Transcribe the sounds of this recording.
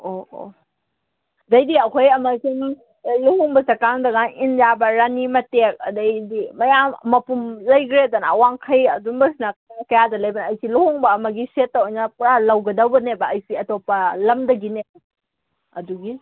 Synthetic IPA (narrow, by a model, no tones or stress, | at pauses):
oo̰ | dɐjdiɐkʰojɐmɐsim | luhɔŋbɐsɐkaŋdɐɡaninjabɐɾanimɐtek̚ɐ̰dɐjdimɐjamːɐpumlɐjɡɾedanːwaŋkʰɐjɐdumbɐsnɐkkɐjadɐlɐjbɐnːjsiluhɔŋbɐːmɐɡisetːawojnɐpɾalɐwɡɐdɐwbɐnebɐːjsiɐtopːɐlɐmdɐɡinebɐ | ɐduɡi